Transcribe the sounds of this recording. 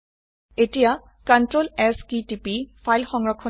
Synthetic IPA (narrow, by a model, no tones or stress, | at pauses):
etija | kantɹolɛskitipifʰajlxɔŋɹɔkʰːɔ